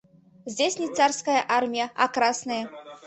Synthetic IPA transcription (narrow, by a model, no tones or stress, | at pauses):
zʲd͡zʲesʲnʲit̪sarskɐjɐʔarmʲijɐakɾasnɐjɐ